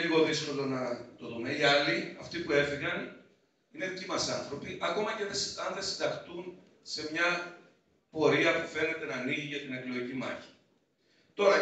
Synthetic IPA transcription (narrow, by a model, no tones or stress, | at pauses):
ʎiɣo̞ðisko̞lo̞nɐt̪o̞ðumeiɐliɐft̪ipue̞fiɣɐn | ine̞cimɐsɐnθɾo̞piʔɐko̞mɐce̞ðesɐnðe̞sind̪ɐxt̪un | se̞mɲɐ | po̞ɾiɐpufe̞ne̞t̪e̞nɐːniʝiʝɐt̪ine̞klo̞icimɐ̰çi̥ | t̪o̞ɾɐ